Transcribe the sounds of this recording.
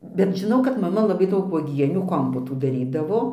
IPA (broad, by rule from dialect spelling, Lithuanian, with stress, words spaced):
bʲɛt ʒʲɪˈnɐʊ kɐt mɐˈmɐ lˠɐˈbɐɪ ˈdɐʊk ʋuɔˈɡʲiɛnʲuː ˈkoːmpoːtuː dɐˈrʲiːdɐʋoː